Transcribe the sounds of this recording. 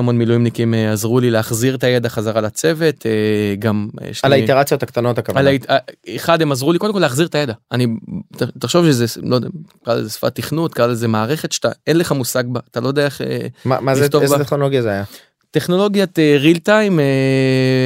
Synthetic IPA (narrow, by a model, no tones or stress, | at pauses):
amo̞nmilujimnikimeazʁulileaχziʁtajed̪aχazaʁalat͡se̞ve̞t̪eɡamjḛʃlalaiteʁat͡sjot̪akt̪ano̞t̪akavaalaiaeχad̪emazʁuliko̞demkoleaχziʁt̪ajedaanitt̪aχʃo̞vʃezelodekaʁa̰lḛzesfa̰t̪iχnut̪̚kaʁalezemaːʁeχe̞t̪ʃe̥t̪a̰e̞nleχamusaɡ̚baːtalojd̪eaeχḛma̰maiet̪obat̪enoloɡjazeaja | t̪eχno̞lo̞ɡjateʁilt̪ajme